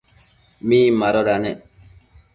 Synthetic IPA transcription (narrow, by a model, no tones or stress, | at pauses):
miːmaɾɔɾanɛ